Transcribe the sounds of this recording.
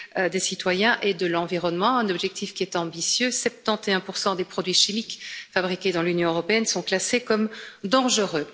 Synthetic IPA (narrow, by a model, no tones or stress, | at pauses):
ød̪esit̪wajɛ̃ʔed̪əlɑ̃viʁɔnmɑ̃ɛ̃nɔbʒɛk̚t̪ʰifkʲiɛt̪ɑ̃bisjøsɛp̚t̪ɑ̃t̪eɛ̃puʁsɑ̃d̪epχɔd̪ɥiʃimikfabʁikʲed̪ɑ̃lynjɔ̃øʁɔpeɛnsɔ̃klasekɔmd̪ɑ̃ʒəʁø